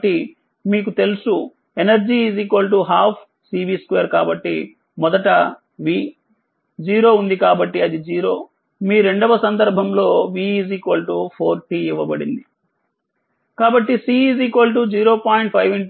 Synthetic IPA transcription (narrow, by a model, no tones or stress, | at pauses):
ʈːi | miːk̬ut̪e̞lusu | enɐɾd͡ʒiːziːkʋɐlʈ̬uɦaːpʰ | siːbiːskʋeːɾkaːbɐʈːi | mɔd̪ɐʈɐ | ʋi | d͡ʒiːɾo̞ːund̪ikaːbɐʈːiɐd̪id͡ʒiːɾo̞ː | miːɾe̞ɳɖɐʋɐsɐnd̪ɐɾbʱɐmlo̞ːʋiːziːkʋɐlʈupʰoːɾʈiːiʋːɐbɐɽind̪i | kaːbɐʈːisiːiziːkʋɐlʈ̬ud͡ʒiːɾo̞ːpaːiɳʈ̚pʰɐjʋiɳʈ